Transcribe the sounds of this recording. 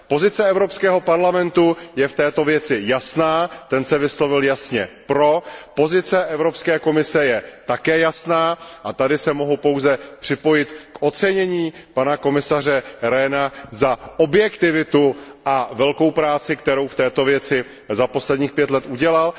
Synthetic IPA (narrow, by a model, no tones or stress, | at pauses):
po̞zɪt͡sɛɛvɾo̞pskɛːɦo̞paɾlamɛnt̪ujɛft̪ɛːt̪o̞vjɛt͡sɪjasnaːt̪ɛnsɛvɪslo̞vɪljasɲɛpɾo̞po̞zɪt͡sɛʔɛvɾopskɛːko̞mɪsɛjɛt̪akɛːjasnaːʔat̪adɪsɛmo̞ɦupo̞wzɛpr̥ɪpo̞jɪt̪kʔo̞t͡sɛɲɛɲiːpanako̞mɪsar̝ɛɾɛnazaʔo̞bjɛkt̪ɪvɪt̪uʔavɛlko̞wpɾaːt͡sɪkt̪ɛɾo̞wft̪ɛːt̪o̞vjɛt͡sɪ | zapo̞slɛdɲiːxpjɛt̪lɛt̪uɟɛlal